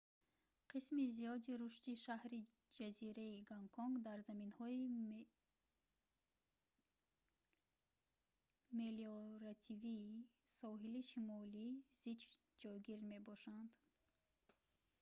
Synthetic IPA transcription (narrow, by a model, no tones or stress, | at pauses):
qʰismizijɔd̪iɾuʃt̪iʃahɾi | d͡ʒaziɾeiɡaŋkʰɔŋɡd̪aɾzaminhɔi | meliɔɾat̪ʰiviːsɔɦiliʃimɔliz̥id͡ʒ | d͡ʒɔjɡiɾme̞bɔʃand̪